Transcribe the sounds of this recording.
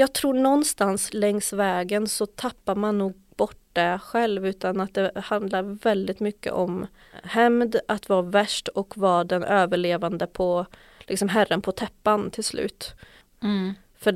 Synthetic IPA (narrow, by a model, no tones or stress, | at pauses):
jɑːɡ̚t̪ʰɾuːɳɔnːst̪anslɛŋsvɛːɡənsɔt̪ʰapːaɾmanːuːɡ̚ | b̥ɔʈd̪ɛɧɛlvʉ̟ːt̪anat̪̚d̪ɛhand̪laɾvɛld̪ɪt̪mʏkːə̰ʔɔm | hɛmd̪at̪vavæʂʈɔkvɑɖɛnøːvəɭeːvand̪əpʰɔ | lʔɪksɔmɦæɾənpʰɔt̪ʰɛpːant̪ʰɪlslʔʉ̟̰ːt̪ | fœ